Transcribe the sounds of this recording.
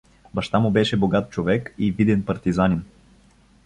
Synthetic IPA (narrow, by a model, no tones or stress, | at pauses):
bɐʃt̪amʊbɛʃɛboɡat̪̚t͡ʃovɛkivid̪ɛnpɐɾt̪izanʲin